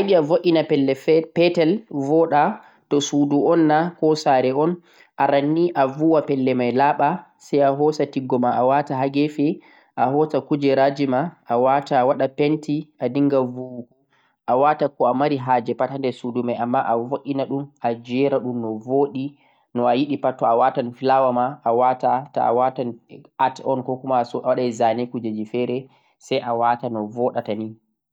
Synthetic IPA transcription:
ajɗiavoʔʲinapɛlːɛpɛtɛlvɔɗa | tɔsuduɔnːakɔsaːɾɛɔn | ʔaɾanːiʔavuwapɛlːɛmajlaːɓasajaɦɔsatiɡːɔmaʔawataɦaɡɛfɛ | ʔaɦɔsakud͡ʒɛɾad͡ʒimaʔːwatawaɗapɛntiʔadiŋɡavuhu | ʔawatakɔamaɾiɦaːd͡ʒɛpatandɛsudumajʔamːaʔavoʔʲinaɗumʔad͡ʒɛɾaɗumnɔvoɗi | nɔajiɗipatːɔawatanfilawamaawatata̰a̰watanatɔnkɔkumasɔawaɗazanekud͡ʒed͡ʒifɛɾɛ | sajʔawatanɔvɔɗatani

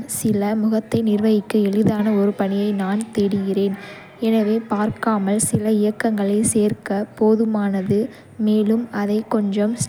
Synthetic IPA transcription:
sɪlɐmʊɣɐt̪ːɐɪnɪrʋɐjɪkːɐɛɭɪðaːnɐɔɾɯpɐɳɪjɐɪnaːnt̪ɛɽɪɣɪreːn | ɛnɐʋeːpaːɾkaːmɐlsɪlɐɪjɐkːɐŋɡɐɭɐɪseːrkɐpoːðɯmaːnɐðɯ | meːlɯmɐðɐɪkːɔɲd͡ʒɐms

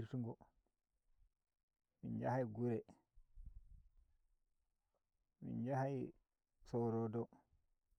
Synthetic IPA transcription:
ɾtuŋɡɔ | mḭnd͡ʒahajɡuɾɛ | mḭnd͡ʒahaj | sɔɾɔdɔ

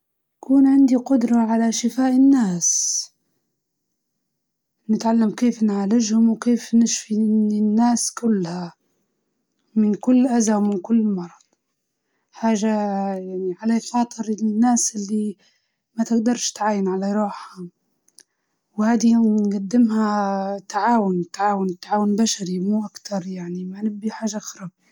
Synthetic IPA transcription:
jakuːnʕɪnd̪iqʊd̪ɾˤɑʕalaʃɪfaːʔɪnːaːs | nɪt̪ʕalːamkeːfnʕaːlɪʒhʊmwkeːfnɪʃfiinːaːskʊlːha | mɪnkʊlːʔazawmɪnkʊlːmɑɾˤɑd̪ˤ | ħaːʒajaʕniʕalaxɑːt̪ˤɨɾnːaːsʔɪlːi | mat̪ɪɡd̪ɑɾˤʃt̪ʕaːjɪnʕalaɾˤuːħha | whaːd̪inɡad̪ːɪmhat̪aʕaːwʊnt̪ːaʕaːwʊnɪt̪ːaʕaːwʊnbaʃaɾimuːʔakt̪ʰɑɾˤjaʕnimanɪbːiħaːʒaxɾˤɑb̚

